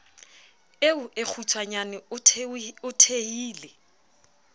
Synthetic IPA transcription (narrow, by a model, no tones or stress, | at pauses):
eʊʔek͡xʰut͡sʰwaɲanɪʊʊtʰehiːle